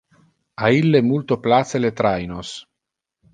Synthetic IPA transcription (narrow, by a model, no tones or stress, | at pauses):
ailːemult̪oplat̪selet̪ɾajnos